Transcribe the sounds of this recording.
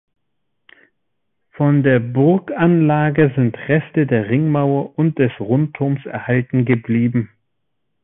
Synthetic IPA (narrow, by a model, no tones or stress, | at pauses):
fɔndeːɐbʊʁkanlaːɡəzɪntʁɛstədeːɐʁɪŋmaʊɐʔʊnt̚d̥ɛsʁʊntʰːʊʁmsɛ̰ɐhaltn̩ɡəbliːbm̩